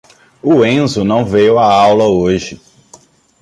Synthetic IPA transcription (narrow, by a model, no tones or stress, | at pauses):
ʊẽzʊnɐ̃w̃vejwaawlɐoʒɪ